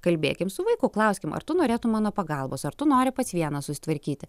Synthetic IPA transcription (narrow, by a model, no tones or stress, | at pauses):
kɐlʲbʲḛːkʲɪmsʊʋɐɪkʊklˠɐʊsʲkʲɪmɐ̰ɾt̪ʊnoːɾʲeːt̪ʊmɑːnoːpɐɡɑlˠboːsɐɾt̪ʊnoːɾʲɪpɐt̪sʋʲiɛnɐssʊsʲɪ̥t̪ʋɐɾʲkʲiːt̪ʲɪ